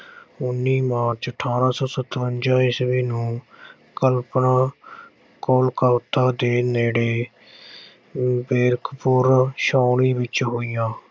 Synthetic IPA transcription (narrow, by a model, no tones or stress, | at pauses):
ʊnːiːmaːɾt͡ʃəʈʰaːɾãːsɔːsət̪ːɾʊnd͡ʒaːiːsʋiːnũː | kəlpnãː | koːlkəʋt̪aːd̪eːneːɽeː | beːɾkʰpʊɾʃaːlĩːʋɪt͡ʃɦoːijãː